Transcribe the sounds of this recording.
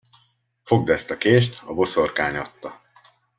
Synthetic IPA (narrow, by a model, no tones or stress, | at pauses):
fo̞ɡ̚d̪ɛst̪ɒkeːʃt̪ɒbo̞so̞rkaːɲɒt̪ːɒ